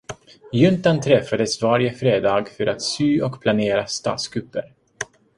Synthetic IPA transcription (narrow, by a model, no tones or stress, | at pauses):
jɵnt̪ant̪ʰɾɛfːad̪əsvaɾɪjəfɾeːd̪ɑːɡfœɾʔat̪syːɔkpʰlaneːɾast̪ɑ̰ːt̪sɡɾɵpːə̰ɾ